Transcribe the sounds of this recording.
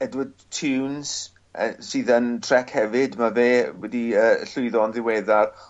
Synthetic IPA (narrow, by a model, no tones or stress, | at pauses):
ɛdwɪdtʰuːnz̥ | əsɨːðəntʰr̥ɛkʰhɛvɪdmaveːwɛdiəɬʊɨðɔnðɪwɛðar